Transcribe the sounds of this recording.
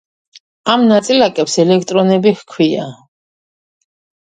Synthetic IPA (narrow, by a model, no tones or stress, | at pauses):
amnat̪sʼilakʼɛpsɛlɛkʰt̪ʼɾɔnɛbihkʰwia̰